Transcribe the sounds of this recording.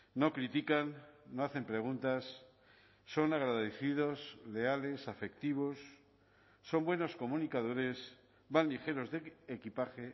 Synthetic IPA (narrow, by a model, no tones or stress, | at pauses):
no̞kɾit̪ikanːoaθe̞mpɾe̞ɣ̞unt̪asː | o̞naɣ̞ɾaðeθið̞osle̞ale̞safe̞kt̪iβ̞o̞sː | o̞mbweno̞sko̞mũnikaðo̞ɾe̞s | βanlixe̞ɾo̞zðeekipaxe